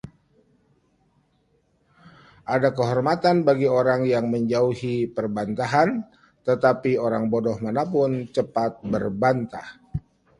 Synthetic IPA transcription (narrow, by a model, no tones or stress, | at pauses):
ʔadakəɦɔrmat̪anbaɡioɾaŋjaŋməɲd͡ʒauhipərbant̪aɦan | t̪ət̪apioɾaŋbodɔhmanapʊnt͡ʃəpat̪̚bərbant̪ah